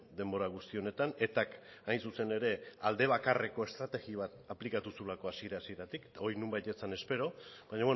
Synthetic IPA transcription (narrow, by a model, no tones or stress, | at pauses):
d̪e̞mbo̞ɾaɣ̞ust̪io̞ne̞t̪ane̞t̪ak | ajnsuse̞ne̞ɾe̞ald̪e̞β̞akare̞ko̞e̞st̪ɾat̪e̞ɣiβat̪aplikat̪usulako̞asieɾasie̞ɾat̪iket̪ao̞jnumbajt̪et͡sane̞spe̞ɾo̞βaɲaβwe